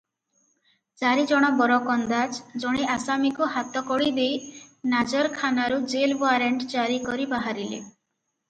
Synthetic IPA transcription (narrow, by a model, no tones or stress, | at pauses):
t͡ʃaɾid͡ʒɔɽ̃ɔbɔɾɔkɔnd̪ad͡ʒd͡ʒɔɽ̃iʔasamikuɦat̪ɔkɔɽid̪ejnad͡ʒɔɾkʰanaɾud͡ʒelbaɾeɳʈd͡ʒaɾikɔɾibaɦaɾilḛ